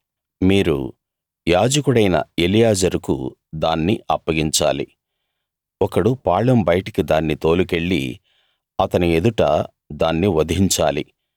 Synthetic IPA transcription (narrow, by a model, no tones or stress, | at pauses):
miːɾṵ | jaːd͡ʒɐkuɽɐjnɐ̰elijaːd͡ʒɐɾukṵ | d̪aːnːiɐpːɐɡiɲt͡ʃaːlḭ | ɔkɐɽupaːɭɐmbɐjʈɐkid̪aːnːit̪o̞ːluke̞ɭːḭ | ɐt̪ɐnied̪uʈɐ | d̪aːnːiʋɐd̪iɲt͡ʃaːli